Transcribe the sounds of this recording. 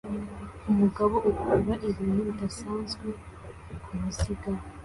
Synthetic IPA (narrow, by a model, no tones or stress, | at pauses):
umuɡaβo̞ʔukuβaʔeβiːnuβidasaːnzɡwe | kʰumusiɡa